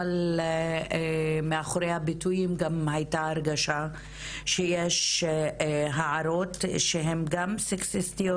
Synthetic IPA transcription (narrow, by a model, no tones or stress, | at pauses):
al | meaχoɾejhabitujimɡamhajtaːɾɡaʃa | ʃejeʃ | ɦaʕaɾo̞t̪ʃeɦe̞mɡamseksestijo